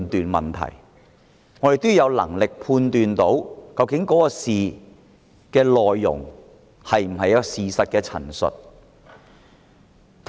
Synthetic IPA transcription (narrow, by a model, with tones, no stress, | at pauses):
nt̪yː˨nmɐ̰˨nt̪ʰɐ̰˨˩j | ŋɔː˨˧d̪e˨jt̪o˥ju˨˧jɐ˨˧wlɐ̰˨˩ŋlɪ˨k̚pʰuː˧nt̪yː˨nt̪o˨˥wkɐ˧wkɪ˨˥ŋkɔː˨˥kɔː˧siː˨ | kɛː˧lɔː˨jːʊ̰˨˩ŋ | hɐ˨jm̩˨˩ɦɐ˨jɐ˥ksiː˨sɐ˨t̚kɛː˧t͡sʰɐ̰˨˩nsɵ̰˨t̚ | t̪ʰ